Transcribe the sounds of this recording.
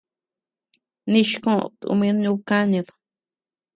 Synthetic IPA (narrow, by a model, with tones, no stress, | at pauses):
nĩ˧ʃkõ˦˨t̪ṵ˧mĩ˧˦ɲũ˦βka˦ɲĩ˧ð